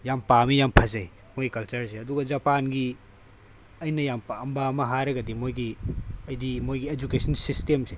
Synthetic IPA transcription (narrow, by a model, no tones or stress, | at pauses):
jampamijampʰɐzɐj | mojkɐlt͡ʃɐɾseɐduɡɐzɐpanɡi | ɐjnɐjampaɐmbamɐɦaɾɐɡɐdimojɡiɐjdimojɡied͡ʒukesɐnsistemse